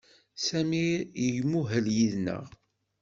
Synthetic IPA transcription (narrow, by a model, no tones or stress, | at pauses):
sæmijəʝmːuɦəljiðnə̰ʁ